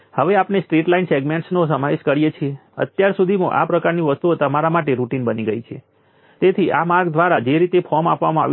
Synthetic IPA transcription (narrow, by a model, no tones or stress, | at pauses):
həʋeapnesʈɾiʈlainseɡmeɳʈsnos̬əmaʋeʃkəɾijet͡ʃʰieə̰t̪jaɾsud̪ʱimã̰ʔa̰pɾəkaɾniʋəst̪ut̪əmaɾamaʈeɾuʈinbəniɡəit͡ʃʰḛ | t̪et̪ʰiʔamaɾɡd̪ʋaɾad͡ʒeɾit̪efʰɔmapʋamãa̰ʋ